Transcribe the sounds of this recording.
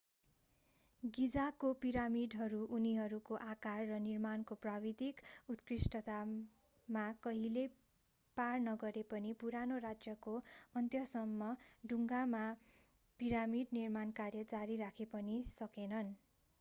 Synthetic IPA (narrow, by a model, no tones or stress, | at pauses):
ɡid͡zakopiɾamiɖɦʌɾuʔuniɦʌɾukoʔakarːʌnirmankoprabid̪ikut̪krisʈʌt̪a | makʌɦile | parnʌɡʌɾepʌnipuɾanorad͡zjʌkoʌnt̪jʌsʌmːʌɖuŋɡama | piɾamiɖnirmankarjʌd͡zaɾiɾakʰepʌnisʌkenʌn